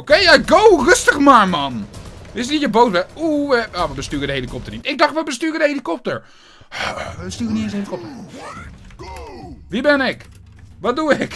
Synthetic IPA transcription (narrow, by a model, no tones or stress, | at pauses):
okejaɡowrøstəxmaɹmanʋɪsnitjəboːsbɛuəaʋəbəstyːrədəhelikɔp̚tərnitɪɡ̚dɑxtʋəbəstyːədəhelikɔp̚təɹ | əstyːrəniɪnshelikɔp̚tə | ʋibɛnɪk | ʋɔt̚duɪk